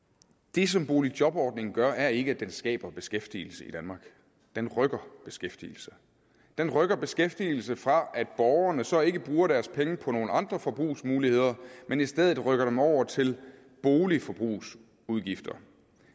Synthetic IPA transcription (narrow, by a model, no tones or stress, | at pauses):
d̥e̝sɒ̽mb̥o̝ːlid̥jɒ̽b̥ɒːd̥ne̝ŋn̩ɡ̥ɶɐʔæɐe̝ɡ̥əæd̥ensɡ̥ɛ̰ːb̥ɐb̥e̝sɡ̥efd̥ḭːl̩səid̥ænmɑ̈ːɡ̥ | d̥enʁœɡ̥ɐb̥e̝sɡ̥efd̥ḭːl̩sə | d̥enʁœɡ̥ɐb̥e̝sɡ̥efd̥il̩səfʁɑ̈ʔæd̥̚b̥ɒʊɐnəsɒ̽e̝ɡ̥əb̥ʁuːɐɾ̥æɐspʰeŋəpʰɒ̽no̝ːləɑ̈nd̥ʁɐfɒ̽b̥ʁṵːsmuːlihe̝ð̞̰ˠɐmenisd̥eð̞ˠð̩ˠʁœɡ̥ɐɾemɒʊ̰ɐt͡sʰe̝l | b̥o̝ːlifɒ̽b̥ʁṵːs | uðˠɡ̥ifd̥ɐ